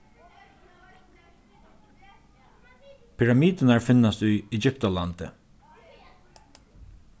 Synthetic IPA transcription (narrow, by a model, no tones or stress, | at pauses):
pʰɪɹamiːd̪ənaɹfɪnːast̪ujɛd͡ʒʏpt̪alant̪ə̰